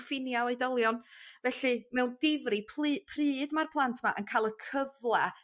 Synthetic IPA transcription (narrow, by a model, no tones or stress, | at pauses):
fɪnjaweɨdɔlˠjɔnvɛɬɨmɛwnd̥ɪvripʰːpʰrɨːdmarpʰlˠantʰma̰ʔənkʰajlˠəkʰəvlˠɛ